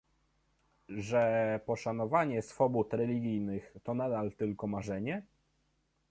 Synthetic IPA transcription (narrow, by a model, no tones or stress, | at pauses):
ʐɛpɔʂanɔvaɲɛsfɔbut̪ɾɛlʲiɡʲijnɘxt̪ɔnad̪alt̪ɘlkɔmaʐɛɲɛ